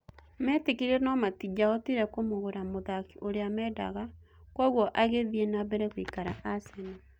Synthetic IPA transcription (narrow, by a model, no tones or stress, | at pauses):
mɛːtekiɾɛnɔmatid͡ʒaɔtiɾɛkomoɣoɾamoðakiʔoɾeamɛda̰ɣa | kwɔɣwɔʔaɣeðienaβɛɾɛɣwikaɾaʔasana